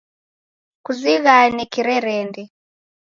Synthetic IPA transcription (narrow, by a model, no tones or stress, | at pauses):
kuziɣanikiɾɛɾɛndɛ